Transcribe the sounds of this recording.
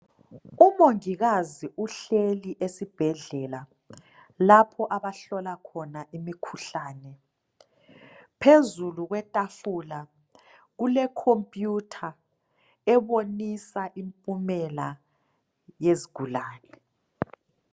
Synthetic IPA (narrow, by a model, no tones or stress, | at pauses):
umoŋiɣaziʔuɬeliʔesib̥ʱɛɮɛla | lapʰɔʔaβaɬɔlakʰɔnaʔimikʰuɬaːnɛ | pʰezuluɣwɛtʼafula | ɣulɛkʰompʼjutʰa | ɛβonisaʔimpʼumɛla | jeziɡ̥ʱulaːnɛ